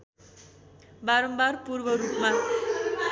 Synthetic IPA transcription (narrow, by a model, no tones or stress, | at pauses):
baɾʌmbarpurbʌɾupma